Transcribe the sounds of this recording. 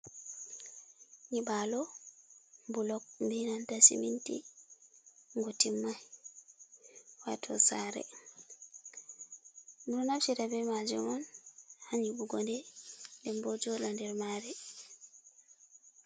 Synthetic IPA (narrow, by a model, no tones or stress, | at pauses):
ɲibalɔ | mbulɔk̚mbinantasḭmintḭ | ŋɡotimːaj | wa̰tʰɔ̰saːɾɛ̰ | muɾɔnafsiɾabɛmad͡ʒumɔnhaɲibuɡɔndɛndɛmbɔd͡ʒɔlɔndɛɾmaːɾɛ